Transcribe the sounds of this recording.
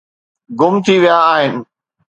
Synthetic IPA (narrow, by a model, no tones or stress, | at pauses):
ɡʊmt̪ʰiʋijaːɦɪnɪ̆